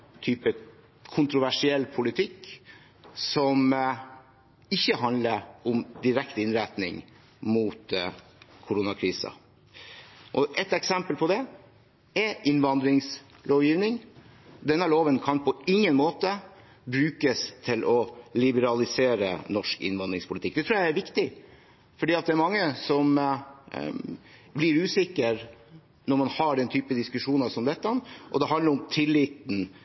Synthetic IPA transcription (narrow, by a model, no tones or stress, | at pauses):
t̪ʰyːpə | kʰʊnt̪ɾʊʋæʂɪɛlːpʰʊlɪt̪ʰɪkː | sɔm | ɪçːəɦɑnd̪ləɾɔmd̪ɪɾɛkt̪ɪnɾæɪt̪nɪ̰ŋ | muːt̪ | kʰʊɾuːnɑkʰɾiːsə̰ | ʔɔʔɛt̪ɛksɛmpəlpʰɔd̪ɛ | ɛʔɪnʋɑnd̪ɾɪŋs | loːʋjiːʋnɪŋ | d̪ɛnːəloːʋənkʰɑnpʰɔɪŋːənmoːt̪ə | bɾʉːkəst̪ʰɪlɔlɪbəɾɑlɪseːɾə̰nɔʂkɪ̰nʋɑnd̪ɾɪŋspʰʊlɪt̪ɪkd̪ɛt̪ʰɾʉːjæɪæɾʋɪkt̪ɪ | fɔɖiːɑt̪̚d̪ɛæɾmɑŋːəsɔm | blɪɾʉːsɪkːəɾ | nɔɾmɑnhɑɖɛnt̪ʰyːpəd̪ɪskʉʂuːnɑsɔmd̪ɛt̪ːənʔɔ̰d̪ɛɦɑnəɾʊmt̪ʰɪlːɪt̪n̩